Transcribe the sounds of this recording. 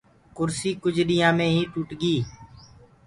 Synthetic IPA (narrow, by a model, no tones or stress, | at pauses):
kʊɾsiːkʊd͡ʒɗɪjãːmẽːɦiːʈuːʈɡiː